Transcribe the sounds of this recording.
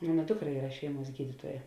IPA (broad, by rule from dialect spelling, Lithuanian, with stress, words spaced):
ˈmoːnɐ ˈdʊkˌrɐ ˈiːrɐ ˈʃʲɛɪˌmuɔs ˈɡʲiːdʲɪtuɔjɛ